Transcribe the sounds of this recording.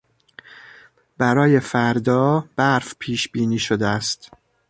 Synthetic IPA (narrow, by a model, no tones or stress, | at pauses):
b̥æɾɒːje̞fæɾd̪ɒːb̥æɾfpʰiːʃbiːniːʃod̪eæst̪